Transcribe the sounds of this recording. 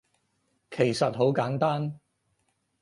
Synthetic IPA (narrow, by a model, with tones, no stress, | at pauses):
kʰe˨˩jsɐ˨t̚ɦo˨˥wkaː˨˥nt̪aː˥n